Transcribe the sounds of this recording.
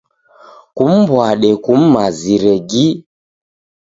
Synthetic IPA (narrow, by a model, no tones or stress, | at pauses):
kum̩bwaɗɛkum̩maziɾɛɡi